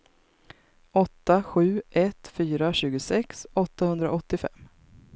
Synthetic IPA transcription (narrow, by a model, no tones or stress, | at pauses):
ɔt̪ːaɧʉ̟ːʔɛt̪fyːɾaɕʉ̟ːɡʊsɛksɔt̪ːahɵnd̪ɾa̰ʔɔt̪ːɪfɛ̰mː